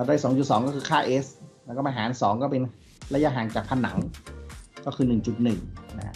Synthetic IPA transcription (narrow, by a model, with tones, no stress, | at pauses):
a˧˩daː˥˩jsɔː˩˦ŋt͡ɕu˨˩t̪̚sɔː˩˦kɔː˥˩kʰɯː˧kʰaː˥˩ʔeː˦˥slɛː˦˥kɔː˥˩ʔa˧ɦaː˩˦nsɔː˩˦ŋkɔː˥˩pe˧n | ɾa˧ja˦˧˥ɦaː˨˩ŋt͡ɕaː˨˩k̚pʰa˧˥˩nːa˩˦ŋ | kɔː˥˩kʰɯː˧nɯ˨˩ŋt͡ɕu˨˩t̪̚nɯ˨˩ŋna˧a̰˥